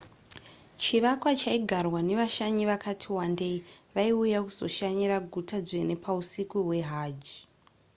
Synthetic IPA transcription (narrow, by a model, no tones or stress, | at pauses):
t͡ʃiʋakwat͡ʃaiɡʱarwane̞ʋaʃaɲiʋakatʰiwande̞iʋaiujakuz̥o̞̰ʃaɲiɾaɡʱutad͡zene̞pʰausikuɦwe̞ɦaːd͡ʒi